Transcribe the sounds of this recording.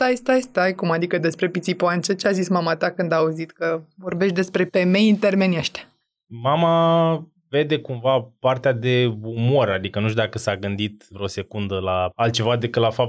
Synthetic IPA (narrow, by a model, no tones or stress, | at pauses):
st̪ajst̪ajst̪ajkumad̪ikəd̪e̞spɾe̞pit̪sipoant͡ʃət͡ʃeazismamat̪akɨnd̪auzit̪kəvo̞rbeʃt̪̚ʲd̪e̞spɾe̞fe̞me̞jɨnt̪e̞rme̞nʲjeʃt̪ʲ | mama | ve̞d̪e̞kumvapart̪ead̪e̞umo̞ɾad̪ikənuʃt̪ud̪akəsaɡɨnd̪it̪vɾeo̞se̞kund̪əlaalt̪̚t͡ʃe̞vad̪ekɨt̪lafap̪̚